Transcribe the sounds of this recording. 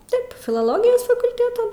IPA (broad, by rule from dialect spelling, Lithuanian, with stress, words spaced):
ˈtɐɪp fʲɪlˠoːˈlˠoːɡʲɪjoːs fɐkʊlʲˈtʲeːtuː